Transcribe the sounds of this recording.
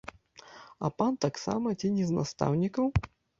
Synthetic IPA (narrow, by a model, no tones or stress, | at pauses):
ɐ̰pant̪aksa̰mɐt͡sʲinʲɛzna̰st̪a̰wnʲikɐw